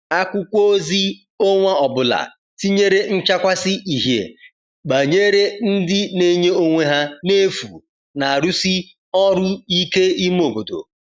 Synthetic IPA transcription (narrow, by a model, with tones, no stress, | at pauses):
a˦kʷʊ˦kʷo˦o˦zi˦ | o˦ŋʷa˦ɔ˨bʊ˦la̰˨ | ti˦ɲe˦ɾe˦n̩˦t͡ʃa˦kʷa˦sɪ˦ʔi˨ɦḛ˨ | ɡ͡ba˨ɲe˦ɾe˦n̩˦dɪ˦ne˦ɲe˦o˦ŋʷe˦ɦa˦ne˦fṵ˨ | na˨a˨ɾu˦si˦ | ɔ˦ɾʊ˦i˦ke˦i˦m˦o˨bo˨do̰˨